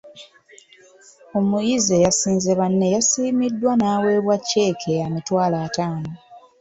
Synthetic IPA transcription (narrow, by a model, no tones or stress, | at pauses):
o̞mujize̞jasiːnzeβanːe̞jasiːmidːwanaːwe̞ːβwacːe̞ːkʰeamitwaːlaːtaːno